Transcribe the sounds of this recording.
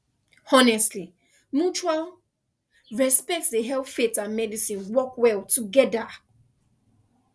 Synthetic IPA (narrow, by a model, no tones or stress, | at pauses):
ɔnɛstli | mut͡ʃual | ɹɛspɛk̚tsdeɦɛlpfetãnmɛdisĩnwɔkwɛltʰuɡɛda